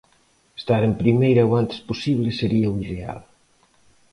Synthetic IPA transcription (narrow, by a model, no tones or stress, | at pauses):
est̪aɾempɾimejɾɐowant̪e̥sposiβleseɾiɐuiðea̰l